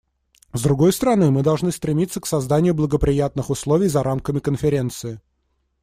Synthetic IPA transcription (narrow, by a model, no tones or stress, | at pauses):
zd̪ɾʊɡo̞jst̪əɾɐnɨmɨd̪ɐlˠʐnɨst̪ɾʲɪmʲit̪sːəksɐzd̪anʲɪjʊblˠəɡəpɾʲɪjat̪̚nɨxʊslˠo̞vʲɪjzɐɾʔamkəmʲɪkənfʲɪɾʲe̞nt̪sɨɪ